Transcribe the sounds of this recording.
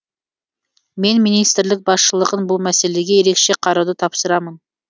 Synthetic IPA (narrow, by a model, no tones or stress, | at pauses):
me̞nmijnijst̪ɾlɪk̚bɑsʃəlˠəʁənbʊlˠmæse̞le̞ɡʲe̞je̞ɾe̞kʃe̞qʰɑɾɑd̪ət̪ʰɑpsəɾɑmən